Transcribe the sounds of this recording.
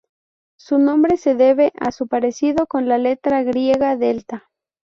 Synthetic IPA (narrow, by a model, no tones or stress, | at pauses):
sunõ̞mbɾe̞se̞ðe̞βe̞ʔa̰supaɾe̞siðo̞ko̞nlale̞t̪ɾaɣɾjeɣaðelt̪a